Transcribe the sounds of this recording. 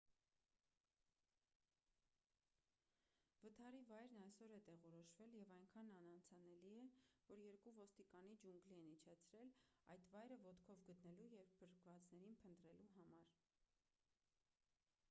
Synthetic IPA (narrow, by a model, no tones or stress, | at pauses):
vət̪ʰɑɾivɑjɾnɑjsɔɾɛt̪ɛʁɔɾɔʃvɛljɛvɑjŋkʰɑnɑnɑnt͡sʰɑnɛliɛvɔɾjɛɾkuvɔst̪ikɑnid͡ʒuŋɡliɛnit͡ʃʰɛt͡sʰɾɛlɑjt̪vɑjɾəvɔt̪kʰɔvɡət̪nɛlujɛvbəɾkvɑt͡snɛɾinpʰənt̪ɾɛluɦɑmɑɾ